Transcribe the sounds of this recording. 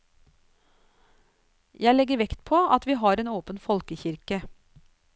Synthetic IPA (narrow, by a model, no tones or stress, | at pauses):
jæɪlɛɡəɾʋɛkt̪pʰoːʔɑt̪ʋiːɦɑːɾeːnoːpənfɔlkəçɪɾkə